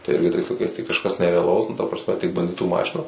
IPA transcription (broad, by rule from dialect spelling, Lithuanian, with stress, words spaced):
tɐɪ ˈɪrʲɡʲɪ tɐɪs lˠɐɪˈkɐɪs tɐɪ kɐʃˈkɐs nʲɛrʲɛɐˈlˠɐʊs nʊ tɐ prɐsʲˈmʲɛ tʲɪk bɐnʲˈdʲɪtuː ˈmɑːʃʲɪnɐ